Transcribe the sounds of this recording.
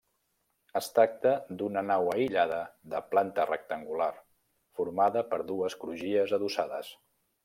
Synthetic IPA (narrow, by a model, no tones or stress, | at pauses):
əst̪ɾak̚t̪əd̪unənawəiʎaðəðəplant̪ərək̚t̪əŋɡular | fuɾmaðəpəɾðuəskɾuʒiəzəðusaðə̰s